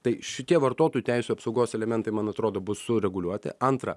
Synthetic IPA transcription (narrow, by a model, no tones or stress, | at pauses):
t̪ɐɪʃʲɪt̪ʲiɛʋɐɾt̪oːt̪oːjut̪ʲæɪsʲuːɐpsɐʊɡoːsɛlʲɛmʲɛnt̪ɐɪmɐnɐt̪ɾoːd̪oːbʊsʊɾʲɛɡʊlʲuɔt̪ʲɪ̰ɐnt̪ɾɐ̰